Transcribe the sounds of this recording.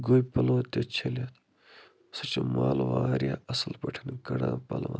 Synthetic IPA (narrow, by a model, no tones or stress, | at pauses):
ɡojpɐloːt̪ʲːet͡ʃʰelat̪ | sɐt͡ʃomaːlʋaːɾjaːɐsɐlpɐʈʰɐnkɐɽaːpɐ̰lʋaː